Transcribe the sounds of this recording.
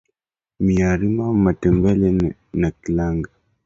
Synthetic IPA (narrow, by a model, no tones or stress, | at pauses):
miaɾimamatɛmbɛlɛnakilaŋɡa